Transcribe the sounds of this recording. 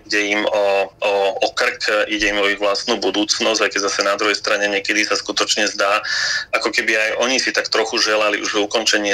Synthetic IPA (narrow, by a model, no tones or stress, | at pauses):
iɟɛimɔɔɔkr̩kiɟɛimɔiɣʋlast̪nuːbud̪uːt͡snɔzɟajkɛɟzasɛnad̪ɾuɦɛjst̪ɾaɲɛɲɛkɛd̪isaskut̪ɔt͡ʃɲɛzd̪aːakɔkɛbiajʔɔɲisit̪akt̪ɾɔxuʒɛlalḭʔṵʒɛukɔnt͡ʃɛɲɪɛ